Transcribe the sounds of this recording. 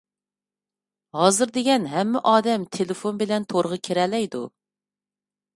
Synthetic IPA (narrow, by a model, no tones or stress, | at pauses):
hɑːzɨɾd̪eɡʲɛnɦɛmːɪʔɑːd̪ɛmt̪ʰelɪfonbɪlɛnt̪ʰoɾəʁɑkʲʰeɾɛlɛjd̪ṵ